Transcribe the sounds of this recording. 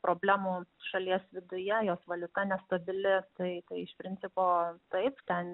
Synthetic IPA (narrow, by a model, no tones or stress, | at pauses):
pɾʔoːbʲlʲæːmuːʃɐlʲiɛsʋʲɪd̪ʊjɛjoːsʋɐlʲʊt̪ɐnʲɛst̪ɐbʲɪlʲɪt̪ɐɪt̪ɐɪɪʃpʲɾʲɪnʲt͡s̪ʲɪpoːt̪ɐɪpt̪ʲɛn